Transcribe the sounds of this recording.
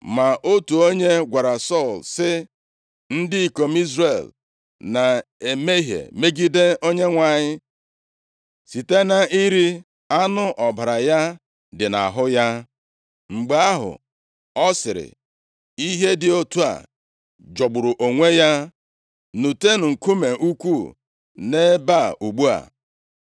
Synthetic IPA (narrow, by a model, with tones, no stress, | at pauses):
ma˨ʔo˦tu˨o˦ɲe˦ɡʷa˨ɾa˨sɔ˦˨lsɪ˦ | n̩˦dɪ˦i˨ko˨m̩˦i˦zre˦˨l | na˨ | e˨me˦ɦḛ˨me˦ɡi˦de˦o˦ɲe˦ŋʷa˨ɲɪ˦ | si˨te˦na˦i˦ɾi˦ | a˦nʊ˦ʔɔ˨ba˨ɾa˨ja˦ | dɪ˨na̰˨ɦʊ˦ja˦ | ŋ͡m̩˨ɡ͡ba˦ɦʊ̰˨ | ɔ˦sɪ˨ɾɪ̰˨ | i˦ɦe˦dɪ˨o˦tu˦a̰˨ | d͡ʒɔ˨ɡ͡bʊ˨ɾʊ˨ʔo˨ŋʷe˦ja˦ | nu˨te˦n̩˨ŋ̩˨ku˦me˨ʔu˦kʷu˦˨ | ne˦ba˦˨u˨ɡ͡bu˦a̰˨